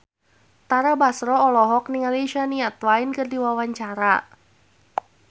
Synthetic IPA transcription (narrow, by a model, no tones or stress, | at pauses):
t̪aɾabasɾɔɔlɔɦɔk̚niŋaleʃaniat̪wainkɨrdiwawaɲt͡ʃaɾa